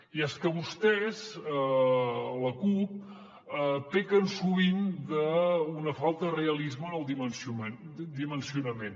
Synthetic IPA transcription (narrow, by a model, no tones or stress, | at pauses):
iɛskəβust̪ɛzə | ləkup̚ | ət̪ekənsuβind̪əunəfalˠt̪əðreəlizmənəlˠd̪imənsue | d̪imənsiunəmen